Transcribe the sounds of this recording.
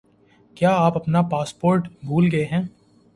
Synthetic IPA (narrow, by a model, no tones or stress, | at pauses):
kjaːaːpɐpnapaːspoːɾʈbʱuːlɡɐeɦɛ̃ː